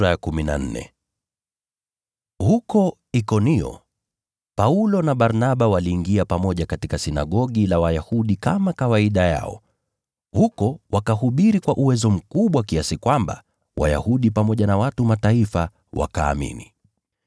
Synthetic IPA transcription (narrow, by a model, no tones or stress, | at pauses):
ɾajakumina̰n̩nɛ̰ | hukɔ | ikɔniɔ̰ | paulɔnaɓaɾnaɓawaliːŋɡiapamɔʄakatikasina̰ɠɔɠilawajahuɗikamakawaiɗaja̰ɔ̰ | hukɔwʔakaɦuɓiɾikwaʔuwɛzɔm̩kuɓwakiasikwamba̰ | wa̰ja̰huɗipamɔʄanawatumataifa | wʔa̰ka̰ːmḭni